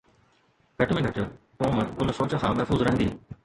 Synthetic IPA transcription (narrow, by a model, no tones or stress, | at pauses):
ɡʱɐʈmẽɡʱɐʈə | poːməʊnsoːt͡ɕəkʰãːmɛɦfuːzɾɐ̃ɦnd̪ḭː